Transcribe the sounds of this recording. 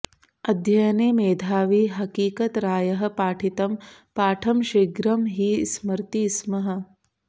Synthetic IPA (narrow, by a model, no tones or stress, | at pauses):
ɐd̪ʱjɐjɐneːmeːd̪ʱaːʋiɦɐkiːkɐt̪ɾaːjɐɦɐ̆paːʈʰit̪ɐmpaːʈʰɐmʃiɡɾɐmɦiːsmɐɾt̪ismɐɦɐ̆